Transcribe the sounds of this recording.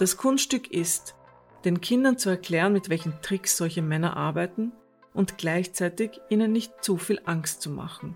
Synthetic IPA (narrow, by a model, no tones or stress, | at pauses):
d̥askʰʊnsttʏkʰɪst | d̥eːnkʰɪndɐnt͡suɛɐkʰl̥ɛːʁənmɪtv̥ɛlçm̩tʁ̥ɪksz̥ɔlçəmɛnɐ̰ʔaɐbæɪtn̩ | ʔʊntɡ̥laɪçt͡sæɪtɪçʔiːnənːɪçt̚t͡sufiːlʔaŋkstt͡suma̰χn̩